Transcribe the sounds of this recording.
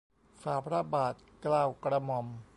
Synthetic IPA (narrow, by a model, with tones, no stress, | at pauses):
saː˨˦pʰɾa˦˥baː˨˩t̪̚klaː˧˩wkɾa˧mɔ˧m